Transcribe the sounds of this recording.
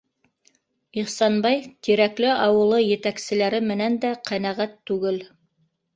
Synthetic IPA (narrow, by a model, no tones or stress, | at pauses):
iχsɑnbɑjt̪iɾæklɘʔɑwɤ̆lˠɤjɘ̆t̪æksɘ̆læɾɘmɘ̆nænd̪æqʰænæʁæt̪ːʉɡɘl